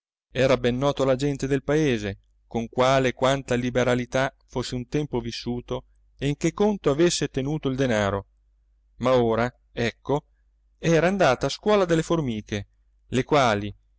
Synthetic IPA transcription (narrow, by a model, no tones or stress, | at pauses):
ɛːɾabɛnːɔːt̪olad͡ʒɛnt̪ed̪elpaeːze | koŋkwaːlekwant̪alibeɾalit̪afosːeunt̪ɛmpovisːuːt̪o | eiŋk̟ekːont̪oavesːet̪enuːt̪oild̪enaːɾo | maoːɾa | ɛkːo | ɛːɾaːnd̪aːt̪aːskwɔːlad̪elːeformiːkʰe | lekwaːli